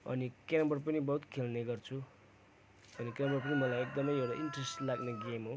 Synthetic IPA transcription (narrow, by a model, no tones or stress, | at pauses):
ʌ̰nikeɾʌmbʌrpʌnibʌɦut̪kʰelneɡʌrt͡sʰu | ʌnikeɾʌmbʌrp̬ʌnimʌlajek̚d̪ʌmʌjewʈaʔiɳʈresʈlaɡneɡemɦo